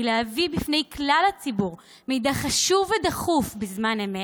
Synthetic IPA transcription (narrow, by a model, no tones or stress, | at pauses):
leavibifnejklalhat͡sibuʁ | mejdaχaʃuvedaχufbezmaneme